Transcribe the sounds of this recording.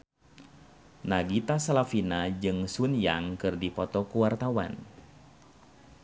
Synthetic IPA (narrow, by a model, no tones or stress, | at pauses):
naɡit̪asalafinad͡ʒɨŋsunjaŋkɨrdipɔt̪ɔkuwart̪awa̰n